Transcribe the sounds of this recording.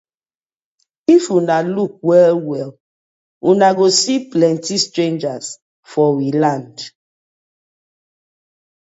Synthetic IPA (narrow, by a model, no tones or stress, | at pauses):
ifunaluk̚wɛlwɛl | unaɡosiplɛ̃ntistɹẽnd͡ʒas | fɔwilãnd